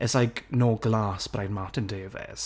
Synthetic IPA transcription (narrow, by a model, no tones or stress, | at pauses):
ɛsajɡnɔːɡlaːsb̥rajnmatʰɪndeːvɛ̰z̥